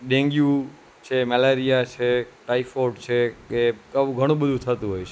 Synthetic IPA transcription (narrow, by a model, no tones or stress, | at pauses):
ɗẽŋɡjũ | t͡ʃʰemɛleɾijat͡ʃʰeʈaifoɾɖt͡ʃʰekeəʋũɡʱəɽ̃ũbəd̪ʱũt̪ʰət̪ũɦojt͡ʃʰe